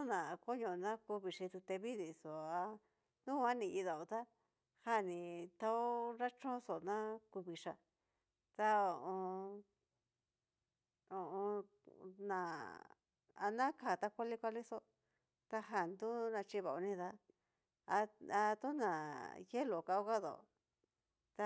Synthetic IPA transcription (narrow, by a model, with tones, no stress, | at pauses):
u˦nã˨˧ko˦ɲõ˧nã˦ku˧βi˨˧ʂi˧t̪u˧t̪e˧βi˦ði˨so˨a˧ | nũ˦˧a˦nĩ˧i˧ða˧˨o˨t̪a˦ | ha˦˨nĩ˧˨t̪a˧o˦ɾa˦t͡ʃõ˦so˨nã˦ku˧βi˨ʂa˧ | t̪a˧o˨ʔõ˧ | o˨õ˧ | nã˨ | a˧nã˦ka˧˨t̪a˧kʷa˦li˦kʷa˧li˦so˦ | t̪a˧ɦa˧˨nd̪u˦nã˧t͡ʃi˧βa˨o˧nĩ˧ða˧ | a˧a˧t̪u˦nã˨je˦lo˨ka˧o˦ka˦ðo̰˨o̰˨ | t̪a˧